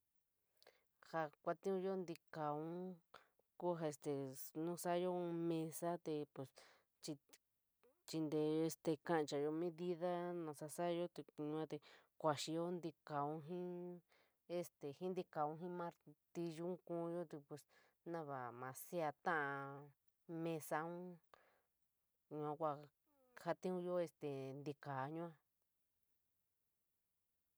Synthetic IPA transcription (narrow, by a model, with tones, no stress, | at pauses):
ha˧kʷa˧t̪ĩ˦ũ˧˦jo˦nd̪i˧ka˨ũ˦ | ku˦ɦa˧e˧st̪e˨nũ˦sa˦jo˦˧mẽ˧sa˦t̪e˧pe˨s | t͡ʃi˧ | t͡ʃi˧nd̪e˧o˧e˧st̪e˧kã˦ʔt͡ʃa˧˨jo˧mĩ˦ði˦ða˦nã˧˨sa˧sa˦jo˦t̪e˧ɲũ˧ã˦t̪e˧kʷa˧ʃi˧jo˦nd̪i˧ka˨ũ˦ɦĩ˦ | e˧st̪e˨hĩ˦nd̪i˧ka˨ũ˧ɦĩ˦mã˧ɾt̪i˧ʒũ˦kũ˧˦˧jo˦t̪i˧pwe˧s | nã˦˧βa˨mã˨˧si˦a˧t̪ã˦ʔã˧ | mẽ˧sa˧ũ˦ | ɲũ˧ã˧kʷa˧ | ha˦t̪ĩ˦ũ˦jo˦e˧st̪e˨nd̪i˧ka˨˦ɲũ˦ã˧